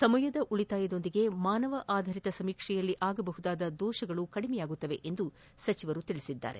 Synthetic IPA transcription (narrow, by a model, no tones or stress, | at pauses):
sɐmɐjɐd̪ɐʔuɭit̪aːjɐd̪o̞nd̪iɡe̞maːnɐʋɐʔaːd̪ʱɐɾit̪ɐsɐmiːkʂɛjɐlːiʔaːɡɐbɐɦud̪aːd̪ɐd̪ɔːʃɐɡɐɭukɐɽimɛjaːɡut̪ːɐʋe̞ʔend̪u | sɐt͡ʃiʋɐɾut̪iɭisid̪ːa̰ːɾe̞̰